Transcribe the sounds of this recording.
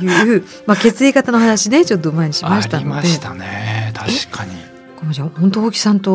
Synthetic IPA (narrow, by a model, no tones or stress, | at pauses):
jɯ̟ːɯ̟ː | make̞t͡sɨekat̪ano̞hanaɕine̞t͡ɕo̞t̪̬ːomaeɲ̟iɕimaɕit̪anod̪e̞t̪anet̪ʰai̥kʰaɲi | komod͡ʑahont̪ooːkʲi̥sãnt̪o̞